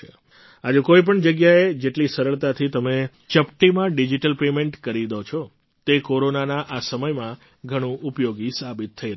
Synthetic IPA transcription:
ad͡ʒukoip̬əɳd͡ʒəɡjaed͡ʒeʈlisəɾəɭt̪at̪ʰit̪əme | t͡ʃəpʈimãɖid͡ʒiʈəlpemeɳʈkəɾid̪ot͡ʃʰɔ | t̪ekoɾonanaʔasəməjmã | ɡʱəɽ̃ũʔupjoɡisabit̪ʰːəi

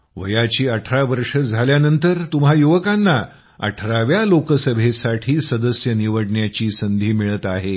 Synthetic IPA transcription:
ʋəjat͡ɕiːəʈʰɾaʋəɾʂəd͡zʱaljanənt̪əɾt̪um̤ɦajuʋəkanːa | ə̰ʈʰɾaʋjalokəsəbʱesaʈʰiːsəd̪əsjəniʋəɽɳjat͡ɕiːsənd̪ʱiːmiɭət̪aɦe

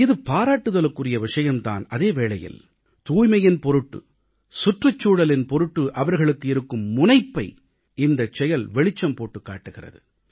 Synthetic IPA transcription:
ɪðɯpaːɾaːʈːɯðɐlɐkːɯrɪjɐʋɪʂɐjɐmt̪a̰ːnɐðeːʋeːɭɐjɪ̰l | t̪uːjmɐjɪnpɔɾɯʈːɯ̰ | sʊʈrɐt͡ʃːuːɽɐlɪnpɔɾɯʈːɯʔɐʋɐɾɣɐɭɯkːɯɪɾɯkːɯmːʊnɐɪpːɐɪ | ɪnd̪ɐt͡ʃɛjɐlʋɛɭɪt͡ʃːɐmpoːʈːɯkːa̰ːʈːɯɣɪrɐ̰ðɯ

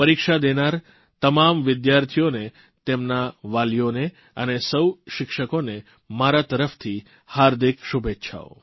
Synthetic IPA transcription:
pəɾikʃad̪enaɾ | t̪əmamʋɪd̪jaɾt̪ʰijone | t̪emnaʋalijone | ə̰nesəwʃɪkʃəkone | maɾat̪əɾəft̪ʰi | haɾd̪ʱikʃubʱet̪ːʃʰa̰o̰

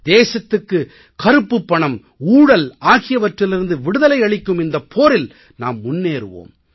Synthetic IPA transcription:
d̪eːsɐt̪ːɯkːɯ | kɐɾɯpːɯpːɐɳɐm | uːɽɐlaːɣɪjɐʋɐʈrɪlɪɾɯnd̪ɯʋɪɽɯðɐlɐɪɐɭɪkʲːɯmɪnd̪ɐpʰːoːɾɪl | na̰ːmːʊnːeːɾɯʋo̰ːm

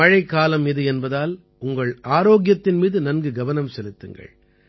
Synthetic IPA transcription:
ɐɻɐɪkːaːlɐmɪðɯɛnbɐðaːl | ʊŋɡɐɭaːɾoːɡjɐt̪ːɪnmiːðɯnɐnɡɯɡɐʋɐnɐmsɛlɯt̪ːɯŋɡɐ̰ɭ

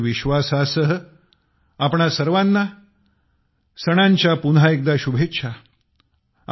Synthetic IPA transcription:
ʋiɕʋasasəɦə | apɳasəɾʋanːa | səɽ̃aɲt͡ɕjapunɦaek̚d̪aɕubʱetːɕʰa

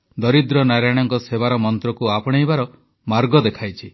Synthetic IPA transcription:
d̪ɔɾid̪ɾɔnaɾajɽ̃ɔŋkɔsebaɾɔmɔnt̪ɾɔkuapɔɽ̃ejbaɾɔ | maɾɡɔd̪ekʰajt͡ʃʰi

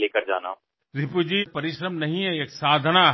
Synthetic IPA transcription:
eːkəɾd͡ʒa̰ːna̰ | ɾɪpud͡ʒipɐɾɪʃɾəmnɐɦĩɦɛeːksaːd̪ʱəna

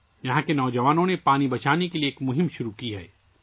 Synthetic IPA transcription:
jɐɦãkenɔːd͡ʒɐʋaːnõnepaːnibɐt͡ʃaːnekelieːkmʊɦɪmʃʊɾukiɦɛː

